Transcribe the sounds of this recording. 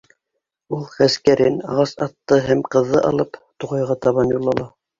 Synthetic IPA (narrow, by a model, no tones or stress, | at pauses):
ulˠχæskæɾɘnɑ̰ʁɑsɑt̪ːɤɦæmqɤ̆ðːɤʔɑ̰lˠɤpt̪uʁɑjʁɑt̪ɑβɑnjulˠːɑlˠɑ